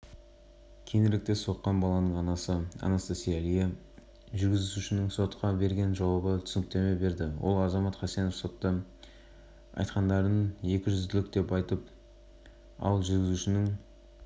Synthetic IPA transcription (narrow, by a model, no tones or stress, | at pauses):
kʲʰenɪɾlɪk̚t̪e̞so̞qːɑnbɑlˠɑnəɴɑnɑsəɑ̰nɑsəsejælije | ʒʏɾɡʲɪzzuʃɪnɪŋso̞t̪qɑbe̞ɾɡʲe̞nʒɑwɑbət̪ʰʏ̥sɪnɪk̚t̪e̞me̞be̞ɾd̪ɪwo̞̰lˠɑzɑmɑt̪χæsenofso̞t̪ːə | ɑ̰jt̪qɑnd̪ɑɾəne̞kʲɪʒʏzd̪ɪlɪk̚d̪e̞pɑjt̪əp̚ | ɑ̰lˠʒʏɾɡʲɪzuʃɪnɪŋ